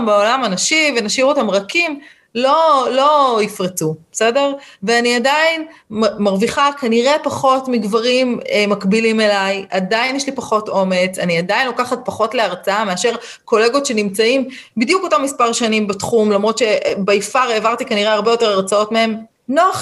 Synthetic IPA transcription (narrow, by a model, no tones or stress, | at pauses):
mbaolamanaʃivenaʃiʁotamʁakim | lolo̞ifʁet͡sub̥ese̞de̞ʁveaniadainmaʁviχakaniʁe̞paχo̞tmiɡvaʁimmakbilime̞lajʔadajinjeʃlipaχo̞to̞me̞t͡saniadainlo̞kaχat̚paχo̞tleaʁt͡saame̞aʃe̞ʁ | ko̞le̞ɡo̞tʃe̞nimt͡saimbid̪jukotamːispaʁʃanimbatχumlamʁo̞tʃe̞beifaʁeːvaʁt̪ikaniʁe̞aʁbejo̞te̞ʁaʁt͡sao̞tmee̞m | noaχ